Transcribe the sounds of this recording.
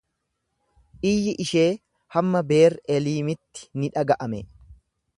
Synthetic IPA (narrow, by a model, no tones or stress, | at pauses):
ʔɪjːɪʔɪʃeː | hɐmːɐbe̞ːɾɛliːmɪt̪ːɪ̥nɪᶑɐɡɐʔɐmɛ